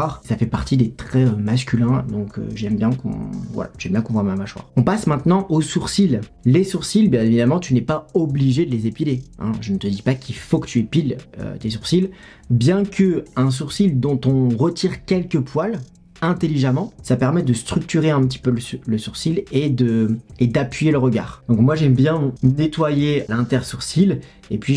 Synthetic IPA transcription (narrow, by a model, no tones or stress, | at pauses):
ʁsafɛpaʁt̪id̪et̪χɛømas̬kʲylɛ̃d̪ɔ̃kø̰ʒɛmbjɛ̃kɔ̰̃vwa̰la̰ʒɛmbjɛ̃kɔ̃vwamamaʃwa̰ʁɔ̃pasmɛ̃t̪nɑ̃ʔosuʁsillesuʁsilbjɛ̃evid̪amɑ̃t̪ynɛpaɔbliʒed̪əlezepileɛ̰̃ʒənət̪əd̪ipakʲʰilfokə̥t̪ʰyepilø̰t̪esuʁsil | bjɛ̃kʰəɛ̃s̬uʁsild̪ɔ̃t̪ɔ̃ʁət̪ʰiʁkʲɛlkəpwal | ɛ̃t̪eliʒamɑ̃sapɛʁmɛd̪əst̪χyk̚t̪yʁeɛ̃pət̪̬i̥pølələsuʁsiled̪əed̪apɥijeləʁəɡʲa̰ːʁd̪̥ɔ̃kmwaʒɛmbjɛ̃net̪wajealɛ̃t̪ɛʁsuʁsil | ḛpɥi